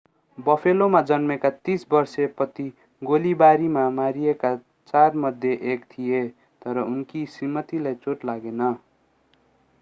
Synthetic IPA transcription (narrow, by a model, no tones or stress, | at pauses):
bʌpʰelomad͡zʌnmekat̪isbʌrsepʌt̪i | ɡolibaɾimamaɾijeka | t͡sarmʌd̪ʱjeʔekt̪ʰije | t̪ʌɾʌunkisimʌt̪ilajt͡soʈlaɡenʌ